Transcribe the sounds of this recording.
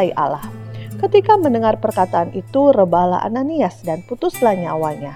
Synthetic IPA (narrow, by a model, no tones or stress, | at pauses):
iʔa̰lahkət̪ikaməndəŋarpərkat̪aːnʔit̪urəbahla̰a̰naniasdanput̪ʊslahɲaːwalɲa